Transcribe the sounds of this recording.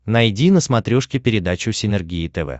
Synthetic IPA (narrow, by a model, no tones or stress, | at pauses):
nɐjdʲinəsmɐt̪ɾʲoʂkʲɪpʲɪɾʲɪd̪at͡ɕʊsʲɪnʲɛrɡʲiɪt̪ɛvɛ̰